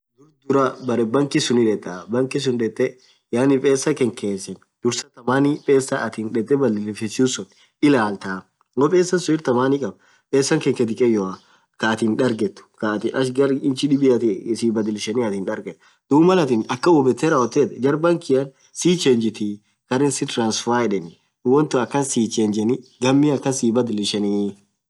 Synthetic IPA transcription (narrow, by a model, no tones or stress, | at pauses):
d̪ʊɾd̪ʊɾɐbɐɾɛbɐŋkɪsʊnɪᶑɛt̪ʼːɐbɐŋkɪs̬ʊnᶑɛt̪ʼːɛ | jaːnɪpʼeːsːɐkɛŋkeːsɛn | d̪̥ʊɾsɐt̪ɐmaːnipʼeːsːɐʔɐt̪inᶑɛt̪ʼːɛbɐd̪ɪlɪfɛsuːsɔn | ɪlaːlt̪aː | ɡɔpʼeːsːɐnsʊɪɾt̪ɐmaːnɪkʼɐb | pʼeːsːɐŋkɛŋkɛt̪̬ɪkʼɛjɔ | kɐːt̪inᶑɐɾɡɛt̪ːʊ̥kɐt̪ɪʔɐʃɡɐɾɪnt͡ʃɪᶑɪbɪɐt̪siːbɐd̪ɪlɪʃɐniɐt̪ɪːnᶑɐɾɡɛt̪ː | d̪̥uːmɐlɐt̪ɪnɐkːɐwɔbɛt̪ːɛɾaɔt̪ːeːt̪ɛd͡ʒɐɾbɐŋkɪɐn | siːt͡ʃɛnd͡ʒɪt̪ɪ | kɐɾɪnsɪt̪ɾaːnsfaːjᶑɛnɪ | wɔnt̪ʊɐkːɐnsiːt͡ʃend͡ʒɛnɪɡɐmːiɐkːɐsiːbɐd̪ɪlɪʃɐniː